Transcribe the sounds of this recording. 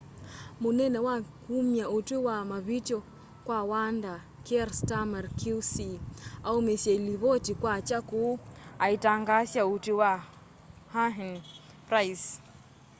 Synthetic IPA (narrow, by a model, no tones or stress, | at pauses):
munɛnɛwakumjautuwamaβitɔ | kwawanda | kɛɾstamarkʰusiaumɛsiailiβɔtikwat͡ʃakuaitaŋɡasjautuwa | haɦɛn | pɾajs